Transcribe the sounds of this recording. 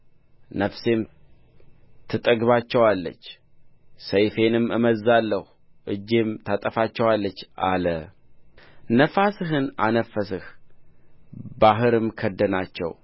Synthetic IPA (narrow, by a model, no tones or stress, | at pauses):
nəfse̞m | t̪ʰɨt̪ʼəɡβat͡ʃːɛwalːə̰t͡ʃː | səjfe̞nɨmɨməzːalːəhu | ʔɨd͡ʒːe̞mt̪ʰat̪ʼəfat͡ʃːɛwalːət͡ʃːʔalə | nəfasɨɦɨna̰nəfːəsɨh | baɦɨɾɨmkʰəd̪ːənat͡ʃːɛ̰w